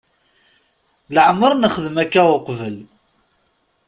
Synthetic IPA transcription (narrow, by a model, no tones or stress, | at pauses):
ləʕməɾˤnəχəðəmækːæʊqvəl